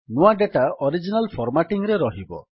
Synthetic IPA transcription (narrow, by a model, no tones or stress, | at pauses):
nuwaɖeʈaɔɾid͡ʒinalpʰɔɾmaʈiŋɾeɾɔɦibɔ̰